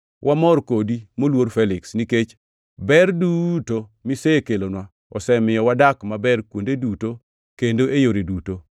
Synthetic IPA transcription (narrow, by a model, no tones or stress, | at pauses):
wʔamɔɾkodimolwoɾfɛlɪksniket͡ʃ | bɛrdutomisekelonwa | ɔ̰sɛmɪjɔwadakmabɛrkwondeduto | kendoʔejoɾeduto